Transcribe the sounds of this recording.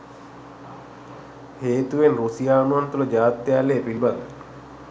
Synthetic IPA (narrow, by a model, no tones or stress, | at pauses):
heːt̪uʋenrusijaːunuʋant̪uləd͡ʒaːt̪ːjaːleːpilbad̪a